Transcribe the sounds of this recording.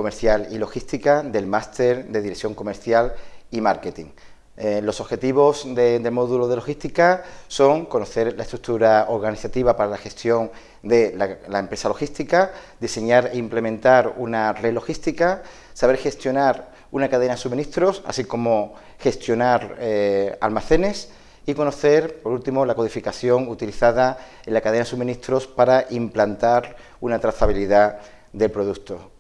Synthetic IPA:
ko̞me̞ɾθjalilo̞xist̪ikad̪e̞lmast̪e̞ɾd̪e̞ðiɾeθjo̞ŋko̞me̞ɾθjalimaɾket̪iŋ | lo̞so̞βxe̞t̪iβ̞o̞sd̪ed̪emo̞ðuloð̞e̞lo̞xist̪ikaso̞ŋko̞no̞θe̞ɾlaest̪ɾuk̚t̪uɾao̞ɾɣaniθat̪iβapaɾalaxe̞st̪jo̞ŋ | d̪e̞lalaempɾe̞salo̞xist̪ika | d̪ise̞ɲaɾeimple̞mẽnt̪aɾunare̞lo̞xist̪ika | saβ̞e̞ɾxe̞st̪jo̞naɾ | unakað̞e̞nasumĩnist̪ɾosa̰siko̞mo̞ | xe̞st̪jo̞naɾ | a̰lmaθe̞ne̞s | iko̞no̞θe̞ɾpo̞ɾult̪imolako̞ð̞ifikaθjo̞ŋut̪iliθaða | elakað̞e̞nasumĩnist̪ɾo̞spaɾaʔimplant̪aɾ | unat̪ɾaθaβ̞iliða | d̪e̞lpɾo̞ðukt̪o

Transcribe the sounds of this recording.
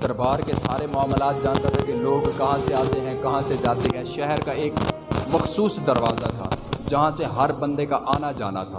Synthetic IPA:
d̪̥ɐɾbaːɾkesaːɾemʊaːmlaːt̪̚d͡ʒãːnt̪at̪ʰɛkeloːɡkɐɦãseaːt̪eɦɛ̃kɐɦãsed͡ʒaːt̪eɦɛ̃ʃɛɦɛɾkaeːk | mɐxsuːsd̪ɐɾʋaːzat̪ʰa̰ːd͡ʒɐɦãseɦɐɾbɐ̃nd̪ekaʔaːnad͡ʒa̰ːna̰t̪ʰa̰ː

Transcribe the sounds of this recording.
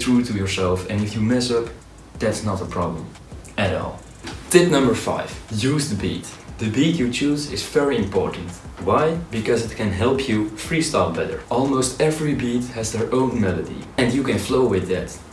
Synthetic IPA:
tɹutʰujəɹsɛlˠfɨ̃nɪfjɨmɛsʌp | ðætsnəɾəpʰɹ̥ɑblə̰̃m | ɨɾɔ̰lˠ | tɪp̚nʌ̃mbə˞fa̰ɪv̥juzðəbḭtðɨbitjɨt͡ʃuzɪz̥vɛɹiɨ̃mpʰɔ̰ɹʔn̩twaɪbɨkʌzɨt̚kʰɨ̃nɦɛlˠpʰjufɹistɑlbɛtə̰˞ʔɔlˠmoʊstɛvɹibit̚hɨzðə˞ʔõʊ̃nmɛlˠədḭɨ̃njɨkɨ̃nfloʊwɪðæt

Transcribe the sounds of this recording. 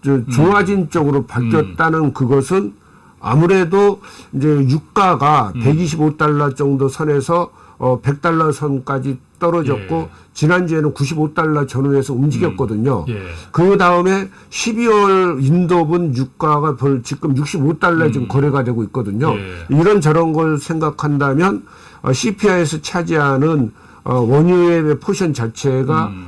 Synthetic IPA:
t͡ɕot͡ɕoad͡ʑint͡ɕ͈ʌɡɯɾopaɭk͈jʌt̚t͈anɯnkɯɡʌsʰɯn | a̰muɾe̞doind͡ʑe̞juk̚k͈aɡape̞ɡiɕʰibot͈aɭːat͡ɕʌŋdosʰʌne̞sʰʌː | pe̞k̚t͈aɭːasʰʌnk͈ad͡ʑit͈ʌɾʌd͡ʑʌt̚k͈o | t͡ɕinand͡ʑuenɯnkuɕʰibot͈aɭːat͡ɕʌnuesʰʌumd͡ʑiɡʲjʌt̚k͈ʌdɯɲokɯdaɯme̞ | ɕʰibiwʌɾindobunjuk̚k͈aɡapʌɭt͡ɕik̚k͈ɯmjuk̚ɕ͈ibot͈aɭːaed͡ʑɯmkʌɾe̞ɡadwe̞ɡoit̚k͈ʌdɯɲoiɾʌnt͡ɕʌɾʌnɡʌɭsʰe̞ŋɡakʰandamjʌn | ʌ̰ɕʰipʰiaesʰʌt͡ɕʰad͡ʑianɯn | ʌwʌɲueepʰoɕʰʌnt͡ɕat͡ɕʰe̞ɡa

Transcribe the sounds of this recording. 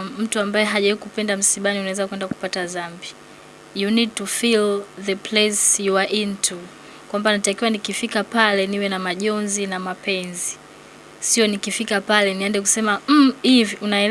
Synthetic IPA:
m̩tuambaɛɦaʄaikupɛndam̩siɓaniunawɛzakwɛndaku̥patazambi | junid̚tufilðəpʰlesjuaʔintʰu | kwambanatakiwanikifikapalɛniwɛnamaʄɔnzinamapɛnzi | siɔnikifikapalɛniandɛk̬u̥sɛmam̩iviunaɛl

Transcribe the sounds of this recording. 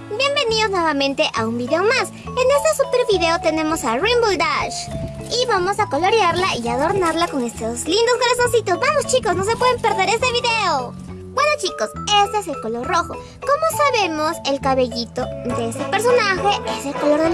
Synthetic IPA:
bje̞mbe̞niðo̞znweβamẽnt̪e̞ʔaumbiðeomas | ene̞st̪esupeɾβiðe̞ot̪e̞nẽ̞mo̞sarimbuld̪aʃ | iβamo̞sako̞lo̞ɾjaɾlaiaðo̞ɾnaɾlako̞ŋest̪oslind̪ozɣoɾasonsit̪o̞sbamost͡ʃiko̞sno̞se̞pwe̞ðempe̞ɾðe̞ɾe̞st̪eβiðe̞o | ɡwanot͡ʃiko̞se̞st̪e̞ese̞lko̞lo̞ɾro̞xo̞ | ko̞mo̞saβe̞mo̞se̞lkaβe̞ʝit̪o̞d̪eest̪e̞pe̞ɾso̞naxe̞ese̞lkolo̞ɾðe

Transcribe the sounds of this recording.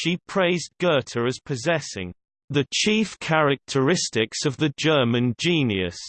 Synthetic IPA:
ʃipʰɹ̥eɪzɡ̥ɜˑtʰəɹəz̥pʰəzɛsɪ̰̃ŋ | ðət͡ʃʰiˑfkʰaɹɪk̚tʰəɹɪstɪksəvðəd͡ʒɜːmə̃nd͡ʒĩːnjə̰s

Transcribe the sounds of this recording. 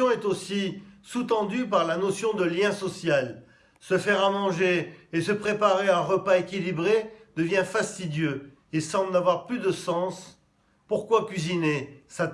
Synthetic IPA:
ɔ̃ɛt̪osisut̪ɑ̃d̪ypaʁlanɔsjɔ̃d̪əljɛ̃sɔsjal | səfɛʁamɑ̃ʒeːsəpχepaʁeãʁəpaekʲilibʁed̪əvjɛ̃fast̪id̪jø | esɑ̃blnavwaʁplyd̪əsɑ̃s | puʁkwakʲɥizinesa

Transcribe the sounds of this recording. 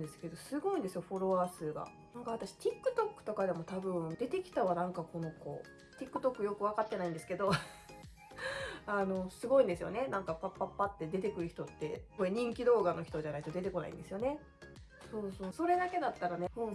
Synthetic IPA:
d̪esɨ̥ke̞d̪o̞sɨɡo̞ĩnd̪esɨjo̞ɸo̞ɾo̞βaːsɨːɡa̰ | nãŋkaβat̪aɕi̥t̪ʲikːɯ̟t̪o̞kːɯ̟̥t̪o̞kad̪e̞mo̞t̪abɯ̟̃ɴd̪e̞t̪e̞kʲi̥t̪aβanãŋkako̞no̞ko̞̰ | t̪ʲikːɯ̟t̪o̞kːɯ̟jo̞kɯ̟βakat̪ːe̞naĩnd̪esɨ̥ke̞d̪o̞ | ano̞sɨɡo̞ĩnd̪esɨjo̞̰ne̞nãŋkapapːapːat̪ːe̞d̪e̞t̪̬e̞kɯɾɯ̟çi̥t̪o̞t̪ːe̞koeɲ̟ĩŋkʲid̪o̞ːɡano̞çʲi̥t̪o̞ʑanait̪o̞d̪e̞t̪e̞ko̞na̰ḭ̃nd̪e̞sɨjo̞ne̞ | so̞ːso̞ːso̞ɾe̞d̪ake̞d̪at̪ːaɾane̞hɯ̃

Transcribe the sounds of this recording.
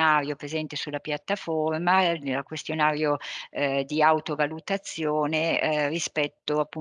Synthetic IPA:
aːɾjopɾezɛnt̪esulːapjat̪ːaformalakwest̪jonaːɾjo | d̪iawt̪ovalut̪at̪sːjoːnerispɛt̪ːoapːu

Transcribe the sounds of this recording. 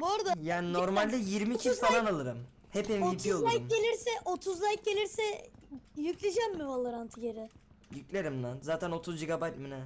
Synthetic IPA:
boɾd̪ajaːnino̞ɾmalʲd̪ɛjiɾmiːcʰifalˠanalˠɯɾɯm | hepɛnvipʰiolˠajmɟe̞lʲiɾsɛʔot̪ʰuzlˠajk̚ɟelʲiɾsɛ | jyclʲed͡ʒɛmːɯalˠɯɾant̪ʰɯɟeɾɪ | jycʲlʲeɾimnazaːt̪ʰæno̞t̪ʰuzd͡ʒiɡabajt̪̚minɛ

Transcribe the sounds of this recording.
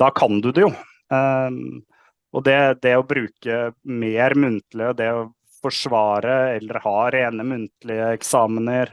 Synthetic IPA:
d̪̥ɑːkʰɑnd̪ʉd̪ɛjʊ | ʔɔd̪ɛd̪ɛɔbɾʉːkəmeːɾmʉnt̪lɪəd̪ɛɔ | fɔʂʋɑːɾəɛlːəɾhɑːɾeːnəmʉnt̪lɪəɛksɑːmənəɾ

